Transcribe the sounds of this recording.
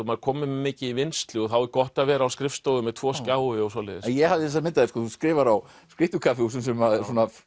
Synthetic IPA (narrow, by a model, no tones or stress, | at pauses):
maɾkʰɔːmɪmmːɪːcɪivɪnst̪lʏɔθawɛɾkɔht̪aðvɛːɾaawskɾɪfst̪owɣʏmɛðt̪ʰv̥ɔːskaːwɪɔsɔːlɛːðɪsɛnjɛhavðɪθɛs̬amɪnt̪aðɪskɔθuskɾɪːvaɾaw | skɾɪht̪ʏkʰafɪusɛms̬ɛmasɔːna